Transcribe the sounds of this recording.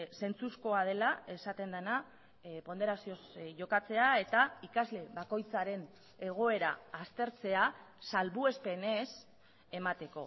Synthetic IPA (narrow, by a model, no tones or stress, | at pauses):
se̞nt͡susko̞að̞e̞lae̞sat̪e̞nd̪ana | po̞nd̪e̞ɾasiosʝo̞kat͡se̞ae̞t̪aikazle̞βako̞jt͡saɾe̞n | e̞ɣ̞o̞e̞ɾa̰ːst̪e̞ɾt͡se̞asalβue̞spene̞s | e̞mat̪e̞ko̞̰